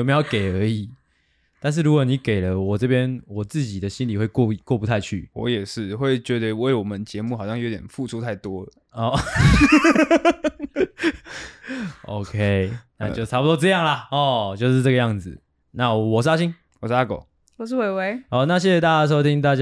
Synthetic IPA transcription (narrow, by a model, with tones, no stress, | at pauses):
mje˧jo˥˩ʊke˨˩ɪə˞˨˧˥i˨˩˦ | t̪a˥˧nʂ̬̩˥˩ɻu˦˥kwɔ˨˦ni˨˦ke˨˩ɪlə˦wɔ˨˩ʈ͡ʂɤ˥˩pjɛ˥˦nwɔ˨˩t͡sɹ̩˥˩t͡ɕi˨˩d̪ə˦ɕi˦nli˨˩xwe˥˧ɪkwɔ˥˧kwɔ˥˩pu˧t̪ʰa˥˧ɪt͡ɕʰy̰˥˩wɔ̰˧˦jɛ˨˩ʂɻ̩˥˨xwe˥˩ɪt͡ɕɥɛ˧˥d̪ə˧we˥˩ɪwɔ˨˩mə˦nt͡ɕjɛ˧˦mu˥˩xɑ˨˩ʊɕjɑ˥˧jo˧˥ʊt̪jɛ˨˩nfu˥˧ʈ͡ʂʰu˥˦t̪ʰa˥˩ɪt̪wɔ˥ | ɔ˥˧˩ | ʔo˦ʊkʰe˦ɪna˥˧t͡ɕo˥˧˥ʈ͡ʂʰpu˨t̪wɔ˥ʈ͡ʂɤ˥˧jɑ˥˩ŋla˨ɔ˥˩t͡ɕjo˥˧ʊʂ̬ɻ̩˥˧ʈ͡ʂɤ˥˨ɡə˧jɑ˥˩ŋd͡zɨ˨˩ | na˥˩wɔ˨˩ʂ̬sa˥ɕi˥ŋ | wɔ˨˩sa˥ko˨˩ʊ | wɔ˨˩ʂ̬̩˥˩we˧˥ɪwe˧˥ɪɔ˥˧na˥˨ɕje˥˩ɕɛ˨˧t̪a˥˧t͡ɕa˥ʂ̬o˥ʊi˥ŋt̪a˥˧t͡ɕ